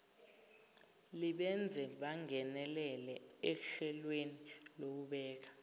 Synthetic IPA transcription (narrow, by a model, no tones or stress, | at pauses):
liɓɛnd͡zʱɛɓaŋɛnɛlɛlɛɛɬɛlweni | lok̬uɓɛːk̬ḁ